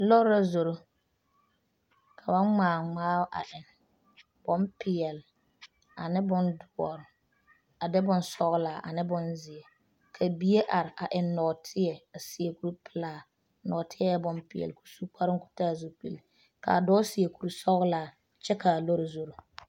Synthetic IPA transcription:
lɔ˦ɾa˨zo˨ɾo˦ | kʰa˨ba˦ŋ͡maː˨ŋ͡maː˦ʔa̰˨ʔɪ˨n | bɔ˦mpɪ˨jɛ˨l | a˨nɪ˦bʊ˦ndʊ˨ɔ˨ɾʊ˨ | a˨dɛ˦bʊ˨n˦sɔ˦ɣlaː˨ʔa̰˨nɪ˦bʊ˨nzɪ˨ɛ˨ | kʰa˨bi˦je˦ʔa˨ɾɪ˨ʔa˨ʔɪ˨nːɔ˨tʰɪ˦jɛ˨a˨sɪ˨e˨ku˦ɾu˦pʰɪ˨laː˨ | nɔ˨tʰɪ˦ɛ˦jɛ˦bʊ˦mpɪ˨jɛ̰˨lku̥˨su˦k͡pʰa˦ɾɪ˦ŋ˦ku̥˦taː˦˨zu˦k͡pḭ˨l | ka̰˨dɔː˦sɪ˨je˨ku˨ɾu˦sɔ˦ɣʊ˦laː˨ | t͡ʃɛ˦ka˨lo˦ɾa˨zo˨ɾo˨

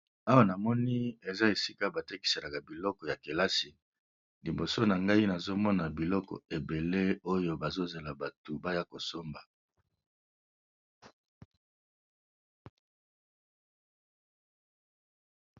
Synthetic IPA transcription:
a˦wa˦˨na˨mɔ˦ni˦e˨za˦e˨si˦ka˦ba˨te˦ki̥˨se˨la˨ka˨bi˨lɔ˦kɔ˨ja˨ke˨la˦si˨ | li˨mbo˨so˦na˨ŋɡa˦i˦na˨zo˦mɔ˦na˨bi˨lɔ˦kɔ̰˨e˨be˨le˦o˦jo˦ba˨zo˦ze˨la˨ba˨tu˨ba˦ja˦ko˨so˦mba˨

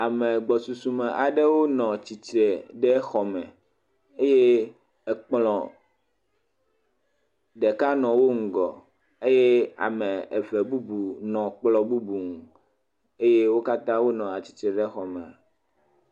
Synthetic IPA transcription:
a˨mɛ̃˨ɡ͡bɔ˨su˨su˨mɛ˨ʔa˨ɖɛ˦wo˦nɔ̃˨t͡ɕi˨t͡ʃɾe˨ɖɛ˦xɔ˨mɛ̃˨ | e˦je˦ | ɛ˨k͡plɔ̃˨ | ɖɛ˨ka˦nɔ̃˨wo˦ŋ̩˨ɡɔ̰˨ | e˦je˦a̰˨mɛ̃˨e˨ve˨bu˦bu˨nɔ̃˨k͡plɔ˨bu˦bu˨ŋu˨ | e˦je˦wo˦ka˦t̪ã˦wo˦nɔ̃˨a˨t͡ɕi̥˨t͡ʃɾɛ˨ɖɛ˦xɔ˨mɛ̃˨a˨

